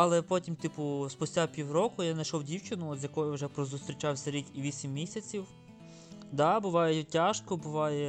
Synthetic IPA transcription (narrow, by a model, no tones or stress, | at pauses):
ɐlˠɛpɔtʲimt̪ipʊspʊsʲtʲapʲiwrɔkʊjanɐjʃɔwdʲiwt͡ʃɪnʊɔt̪zʲjɐkɔjʊwʒɛpɾɔzʊst̪ɾʲit͡ʃɑwsʲɐɾʲikʲiʋʲisʲimːʲisʲɐt͡sʲiw | d̪ɑbʊʋɑjɛtʲaʃkɔbʊʋɑjɛ